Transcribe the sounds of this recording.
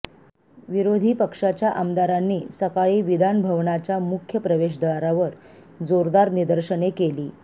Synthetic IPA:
ʋiɾod̪ʱiːpəkʂat͡ɕjaʔəmd̪aɾanːiːsəkaɭiːʋid̪ʱanbʱəʋɳat͡ɕjamukʰjəpɾəʋeʂd̪əʋaɾaʋəɾ | d͡zoɾd̪aɾnid̪əɾɕəɳekeliː

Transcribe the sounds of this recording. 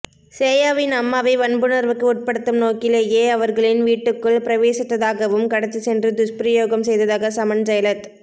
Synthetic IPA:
seːjaːʋɪnɐmːaːʋɐɪʋɐnbɯnɐɾʋɯkːɯʊʈ̚pɐɽɯt̪ːɯmnoːkɪleːjeːɐʋɐɾɣɐɭɪnʋiːʈːɯkːɯɭpɪɾɐʋeːsɪt̪ːɐðaːɣɐʋɯmkɐɽɐt͡ʃːɯsɛndrɯd̪ʊʂpɾɐjoːɣɐmsɛjðɐðaːɣɐsɐmɐnd͡ʒɐjɐlɐt̪

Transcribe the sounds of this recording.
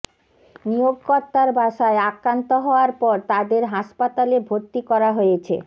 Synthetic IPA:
nijoɡkɔɾt̪ːaɾbʱaʃaeakɾant̪oɦɔoaɾpɔɾt̪ad̪eɾɦaʃpat̪alebʱoɾt̪ːikɔɾaɦojet͡ɕʰḛ

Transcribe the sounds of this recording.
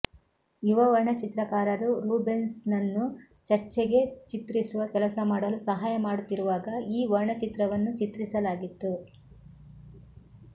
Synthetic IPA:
juʋɐʋɐɾɳɐt͡ʃit̪ɾɐkaːɾɐɾuɾuːbensnɐnːu | t͡ʃɐɾt͡ʃeɡe̞t͡ʃit̪ɾisuʋɐkɛlɐsɐmaːɽɐlusɐɦaːjɐmaːɽut̪ːiɾuʋaːɡɐiːʋɐɾɳɐt͡ʃit̪ɾɐʋɐnːut͡ʃit̪ɾisɐlaːɡit̪ːu

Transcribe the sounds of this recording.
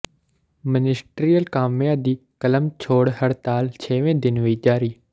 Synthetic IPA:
mənɪsʈɾiːəlkaːmjãːd̪iːkələmt͡ʃʰoːɽɦəɾt̪aːlt͡ʃʰeːʋẽːd̪ɪnɦoiːd͡ʒaːɾiː

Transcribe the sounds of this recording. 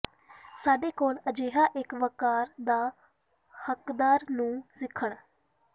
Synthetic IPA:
saːɖeːkoːləd͡ʒeːɦaːʔɪkʋəkaːɾd̪aː | həkd̪aːɾnũːsɪkʰːəɳ

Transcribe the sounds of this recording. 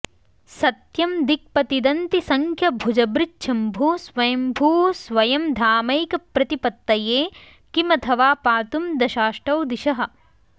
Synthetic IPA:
sɐt̪jɐmd̪ik̚pɐt̪id̪ɐnt̪isɐŋkʰjɐbʱud͡ʒɐbɾɪtːʃʰɐmbʱuːsʋɐjɐmbʱuːsʋɐjɐmd̪ʱaːmɐjkɐpɾɐt̪ipɐt̪ːɐjeː | kimɐt̪ʰɐʋaːpaːt̪umd̪ɐʃaːʃʈɐwd̪iʃɐɦɐ̆

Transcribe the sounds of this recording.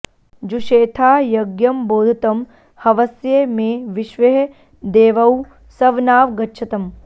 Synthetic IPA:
d͡ʒuʃeːt̪ʰaːjɐɡjɐmboːd̪ʱɐt̪ɐm | hɐʋɐsjemeːʋiʃʋɐɦe | d̪eːʋɐw | sɐʋnaːʋɡɐtːʃʰɐt̪ɐm

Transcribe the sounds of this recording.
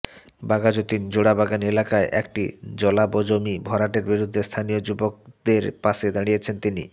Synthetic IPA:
baɡad͡ʑot̪ind͡ʑoɽabaɡanielakaeʔɛkʈḭd͡ʑɔlabod͡ʑomibʱɔɾaʈeɾbiɾud̪ʱːest̪ʰanijod͡ʑubok̚d̪eɾpaʃed̪aɽ̃ijet͡ɕʰent̪inḭ

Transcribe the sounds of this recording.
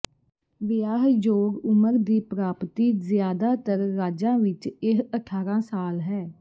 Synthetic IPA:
ʋɪjaːɦd͡ʒoːɡʊməɾd̪iːpɾaːpt̪iːzjaːd̪aːt̪əɾːaːd͡ʒãːʋɪt͡ʃɪɦəʈʰaːɾãːsaːlɦɛː

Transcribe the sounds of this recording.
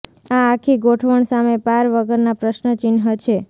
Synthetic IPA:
aːkʰiɡoʈʰʋəɳsamepaɾʋəɡəɾnapɾəʃnət͡ʃinɦət͡ʃʰe

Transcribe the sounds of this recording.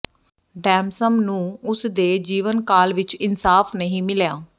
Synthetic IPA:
ɖɛ̃ːmsəmnũːʊsd̪eːd͡ʒiːʋənkaːlʋɪt͡ʃɪnsaːfnəɦĩːmɪljaː

